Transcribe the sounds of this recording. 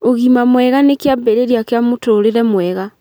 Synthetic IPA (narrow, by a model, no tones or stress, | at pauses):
oɣimamwɛɣanekeabɛɾeɾiakeamotoɾeɾɛmwɛɣa